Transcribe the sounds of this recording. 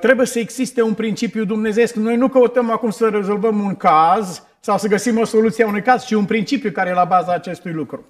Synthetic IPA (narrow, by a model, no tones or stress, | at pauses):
t̪ɾe̞bujesəeɡz̥ist̪e̞unpɾint͡ʃipjud̪umne̞ze̞skno̞jnukəut̪əmakumsəɾe̞zo̞lvəmuŋkaz | sawsəɡəsimo̞so̞lut̪sieaunujkaz̥t͡ʃiunpɾint͡ʃipjukaɾejelabazaːt͡ʃe̞st̪ujlukɾu